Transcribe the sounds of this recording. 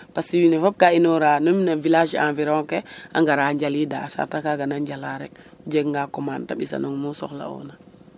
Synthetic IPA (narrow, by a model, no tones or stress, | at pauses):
pasiwinɛfap̚kainɔɾanomnavilad͡ʒa̰nviɾɔŋkɛa̰ŋɡaɾaɲɟalidasa̰ɾtakaɡanaɲɟalaɾɛd͡ʒɛɡŋɡakɔmanta̰ɓisa̰noŋmusɔ̰xla̰ɔ̰na